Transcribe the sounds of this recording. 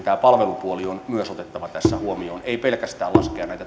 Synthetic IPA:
t̪æːpɑlʋelupuolionmyøsot̪et̪ːɑʋɑt̪æsːæhuomioːneipelkæst̪æːlɑ̰skeɑnnæijt̪æ

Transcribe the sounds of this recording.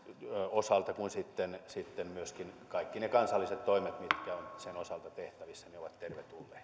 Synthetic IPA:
osɑlt̪ɑkunsit̪ːensit̪ːemmyøskinkɑikːinekɑnsɑlːiset̪toimet̪mit̪kæonsenosɑlt̪ɑt̪eht̪æʋisːæneoʋɑt̪terʋet̪ulːeːt̪

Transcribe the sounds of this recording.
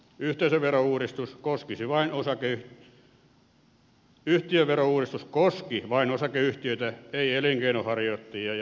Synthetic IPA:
yht̪eisæʋʋerouːrist̪uskoskisiʋɑinosɑkeyh | yht̪iøʋerouːrist̪uskoskiʋɑinosɑkeyht̪iøit̪æeieliŋkeinohɑrjot̪ːiɑj

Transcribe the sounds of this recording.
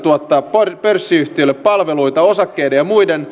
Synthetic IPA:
t̪uot̪ːɑːpporpørsːiyht̪iølːeppɑlʋeluit̪ɑo̞sɑkːejdejɑmuiden

